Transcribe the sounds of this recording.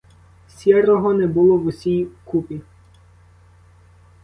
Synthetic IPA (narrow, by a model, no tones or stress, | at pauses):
sʲɛrɔɦɔnɛbʊlˠɔwʊsʲijkupʲi